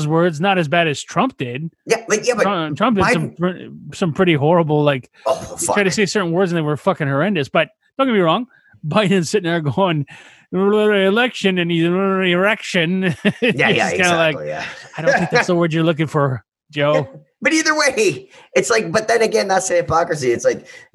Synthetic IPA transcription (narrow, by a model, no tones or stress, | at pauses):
zwɜ˞dznəɾɨzbæɾɨz̥tʰɹ̥ʌ̃mp̚d̥ɪd̥̚jælatjæʌ̥ʌ̃tʰɹ̥ʌ̃mp̚d̥ɨdsʌ̃msʌ̃mpʰɹ̥ɪɾiɦɔɹəbl̩ˠlaɪk | ofʌɹ̥aɪtɨseɪsɜ˞ʔn̩wɜ˞dzɨ̃n̩ðeɪwə˞fʌkɪ̃ŋhə˞ɛ̃ndɨsb̥ʌt̚d̥õʊ̃ɡɨ̃nbiɹɔ̃ŋ | baɪdⁿn̩sɪtɪ̃n̩ðə˞ɡoʊɪ̃ŋ | ɪiɨlɛkʃɨ̃nɨ̃niɪiɨ˞ɛkʃɨ̃njæjæãɪ̃nəlaɪkjæ̰aɪɾõθɪ̃ŋk̚ðsðəwɜ˞d͡ʒə˞lʊk̬ɪ̃ŋfə˞ | d̥d͡ʒoʊ | b̥ʌɾiðə˞weɪɨtslaɪk̚b̥ʌt̪̚ðɨ̃nɨɡɛ̃nðætseɨpʰɑkɹɨs̬iɨtslaɪk̚